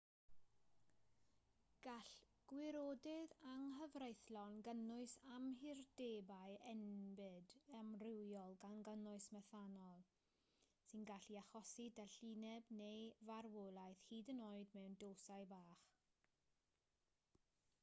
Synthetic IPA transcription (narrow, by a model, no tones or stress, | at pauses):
ɡ̥aɬ | ɡ̥wɪɾoːdɪðaŋɦəvrejθlɔnɡənʊɨsamɦɪrdeːbajɛnbɨdɛmrɪwjɔlˠɡanɡənʊɨsmɛθanɔlˠ | sɨnɡaɬiaχɔsidaɬiːnɛbnejvarwolˠajθhiːdənoːɨdmɛwndoːsaɨbaːχ